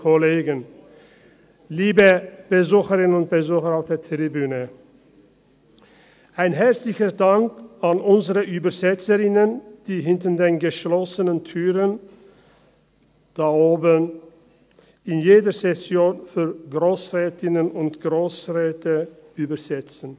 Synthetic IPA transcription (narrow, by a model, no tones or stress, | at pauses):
kʰoleːɡən | liːbəb̥əzuːxəʁɪnnʊnt̚b̥əzuːχəʁaʊfd̥eːɐtʁibyːnə | ʔaɪnɦɛɐt͡slɪçədaŋkanʔʊnzəʁəʔyːbɐzɛt͡səʁɪnənd̥iːɦɪntədeːnɡəʃlɔsənəntʰyːʁən | d̥aːoːbən | ɪnjeːdəsɛsjoːnfyːɐɡʁoːsʁɛːtɪnənʊntɡ̥ʁoːsʁɛːtʰəyːbɐz̥ɛt͡sn̩